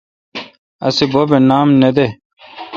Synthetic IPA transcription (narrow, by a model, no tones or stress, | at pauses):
ɐ̰sibobenaːmned̪e